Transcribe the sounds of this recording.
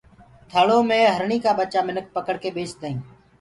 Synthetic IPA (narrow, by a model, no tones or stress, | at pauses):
t̪ʰəːɭõːmẽːɦəɾɳiːkaːɓət͡ʃaːmɪnək̚pəkəɽkeːbeːt͡ʃd̪əːĩː